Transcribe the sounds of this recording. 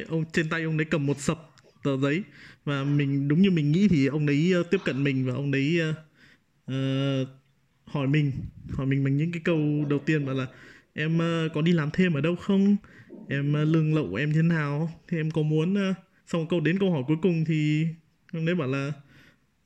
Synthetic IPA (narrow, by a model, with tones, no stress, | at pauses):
ʔə˧wŋ͡mt͡ɕe˧nt̪a˧jʔə˧wŋ͡mnɗə˨˦jkə˨˩mːo˨˩t̚sə˨˩p̚ | t̪əː˧˩zə˨˦jvaː˨˩mï˨˩ŋ̟ɗʊ˨˦wŋ͡mɲɨ˧mï˨˩ŋ̟ŋḭ˧˥t̪ʰi˨˩ʔə˧wŋ͡mʔə˨˦jːt̪i˦˥əp̚kə̰˧˨nmï˨˩ŋ̟vaː˨˩ʔə˧wŋ͡mɗə˨˦jəː˧ | ʔəː˨˩ | hɔ˧˩jmï˨˩ŋ̟hɔ˧˩jmi˨˩ŋma̟˨˩ɲɨ̰˧˥ŋkaː˨˦jkə˧wɗə˨˩wt̪i˧ənɓaː˧˩wlaː˨˩ʔɛ˧mʔːkɔ˨˦ɗi˧laː˨˩mt̪ʰe˧mʔəː˧˩ɗə˧wxə˧wŋ͡mʔɛ˧mː˧lɨ˧əŋlə̰˧˨wʔʔɛ˧mjt̪ʰe˦naː˨˩wt̪ʰi˨˩ʔɛ˧mkɔ˨˦mu˨˦ənː˧ | sa˧wŋ͡mkə˧wɗe˨˦nkə˧whɔ˧˩jku˨˦əjkʊ˨˩ŋ͡mt̪ʰi˨˩ | ʔə˧wŋ͡mɗə˨˦jɓa̰ː˧˩wlaː˨˩